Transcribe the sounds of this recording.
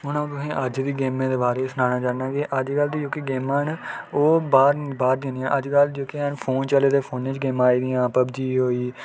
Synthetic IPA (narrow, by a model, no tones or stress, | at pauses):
ɦʊnãt̪̬ʊsĩːʔəd͡ʒd̪iːɡeːmẽːd̪eːbaːɾeːsənãːnaːd͡ʒaːnaːɡeːʔəd͡ʒɡəlt̪id͡ʒoːkiɡeːmaːnoːbaːɾbaːɾd̪ẽːniãːʔəd͡ʒkəld͡ʒoːkeːanpʰoːnt͡ʃəleːd̪eːpʰoːnẽːt͡ʃɡeːmaːiːd̪iːãːpəbd͡ʒiːɦoːiː